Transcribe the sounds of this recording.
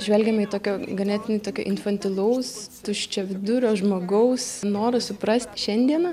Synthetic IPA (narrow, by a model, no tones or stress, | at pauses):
ʒʲʋʲɛlʲɡʲɛmʲɐiːt̪oːkʲoːɡɐnʲɛt̪ʲɪnʲʊt̪oːkʲo̰ːʔɪnfɐnʲt̪ʲɪlˠɐʊst̪ʊʃʲt͡ʃʲɛʋʲɪd̪ʊɾʲoːʒmoːɡɐʊsnoːɾɐsʊprɐsʲt̪ʲʃʲɛnʲd̪ʲiɛnɐ